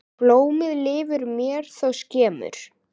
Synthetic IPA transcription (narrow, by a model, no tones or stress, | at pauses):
ploːwmɪðlɪːvʏɾmjɛːɾ̥θawscɛːmʏ̰ɾ̥